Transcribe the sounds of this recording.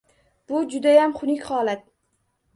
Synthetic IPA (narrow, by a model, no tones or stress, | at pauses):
b̥ʊd͡ʒʊd̪ajamχʊnɪkʲhɒːlat̪̚